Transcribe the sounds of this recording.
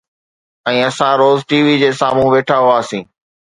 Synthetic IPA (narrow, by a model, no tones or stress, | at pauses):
ɛ̃ːɐsãɾoːzʈiːʋid͡ʑeːsaːmũʋeːʈʰaɦʊaːsĩː